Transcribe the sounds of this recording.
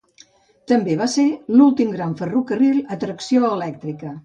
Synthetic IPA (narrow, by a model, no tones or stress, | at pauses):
t̪əmbeβaselulˠt̪imɡɾaɱfərukərilˠət̪ɾəksioəlɛk̚t̪ɾikə